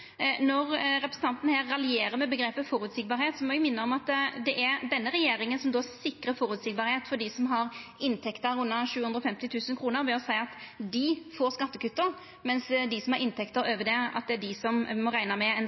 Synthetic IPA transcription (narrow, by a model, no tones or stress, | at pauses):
nɔʁɾɛpɾəsən̩t̪ɑnt̪n̩hæːɾɑlɪeːɾəmɛbəɡɾeːpəfɔɾʉːt̪sɪk̚bɑːɾheːt̪sɔmɔjʊmɪnːəɔmɑt̪d̪ɛʔæɾd̪ɛnːəɾɛjeːɾɪŋənsɔmd̪oːsɪkɾəfɔɾʉːt̪sɪk̚bɑːɾheːt̪fɔɖ̪ɪsɔmɦɑɾɪnt̪ʰɛkt̪əɾʉnːəʂʉːʉnd̪ɾɔfɛmt̪ɪt̪ʰʉːsənkʰɾuːnəɾbɛɔsæɪɑt̪d̪ɪfoːɾskɑt̪ːəkʉt̪ːəɾ | mɛnsd̪ɪsɔmhɑɾɪnt̪ʰɛkt̪əɾøːʋəd̪ɛɑ̰t̪̚d̪ɛæɖɪsɔmːɔɾæɪnɑmɛɛn